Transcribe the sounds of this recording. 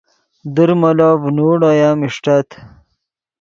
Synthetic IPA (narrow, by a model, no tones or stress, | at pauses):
d̪əɾmɐlaːvnoːɽajaːmiʂʈɐt̪ʰ